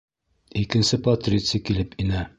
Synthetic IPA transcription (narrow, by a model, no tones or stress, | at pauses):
ikɘ̆nsɘpɐt̪rʲit̪sɨjkilɘpinæ